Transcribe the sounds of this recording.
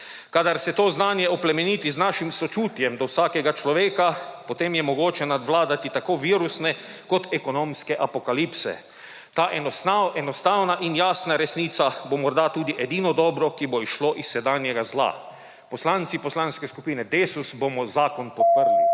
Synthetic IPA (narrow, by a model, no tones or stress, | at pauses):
kaːd̪aɾsɛt̪oːznaːnjɛɔplɛmɛniːt̪iznaːʃimsɔt͡ʃuːt̪jɛmd̪ɔwsaːkɛɡat͡ʃlɔʋeːkapɔt̪eːmjɛmɔɡoːt͡ʃɛnad̪ʋlaːd̪at̪it̪akoːʋiːɾusnɛ | kɔt̪ɛkɔnoːmskɛʔapɔkalipsɛ̰ | t̪aːʔɛaɛnɔst̪awnaʔinjaːsnaɾɛsniːt̪sabomɔɾd̪at̪uːd̪iʔɛd̪iːnɔd̪ɔːbɾɔkibɔiʃloʔisːɛd̪aːnjɛɡazla̰ | pɔslant̪sipɔslaːnskɛskupiːnɛd̪eːsusbomɔzaːkɔnpɔt̪̚pəɾli